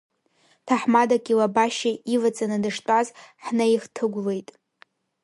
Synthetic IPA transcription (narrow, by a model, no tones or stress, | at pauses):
tʰaħmadaɡʲʼilabaʃaivat͡sʼanɨdɨʂtʷʼazħnaiχtʰɨɡʷle̞jtʼ